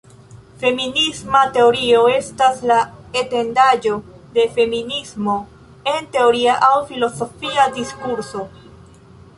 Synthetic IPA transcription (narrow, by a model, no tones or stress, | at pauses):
fe̞minismate̞o̞ɾio̞e̞staslaete̞ndad͡ʒo̞ | de̞fe̞minismo̞ | e̞nte̞o̞ɾiaʔawfilo̞so̞fiadiskuɾso̞